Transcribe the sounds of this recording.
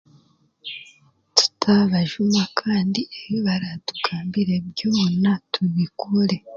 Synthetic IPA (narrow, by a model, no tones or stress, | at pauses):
tu̥tʰaβaʒumakʰaːndieβiβaɾatu̥ɡaːmbiɾe̞bjoːnatʰuβikuɾe̞